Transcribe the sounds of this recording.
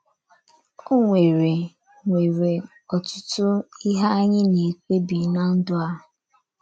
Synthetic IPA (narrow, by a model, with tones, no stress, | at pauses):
o˦ŋʷe˨ɾe˨ | ŋʷe˨ɾe˨ | ɔ˨tʊ̥˦tʊ˦i˦ɦa˦ɲɪ˦ni˨ke˦bi˨na˦n̩˦dʊ˦a˦˨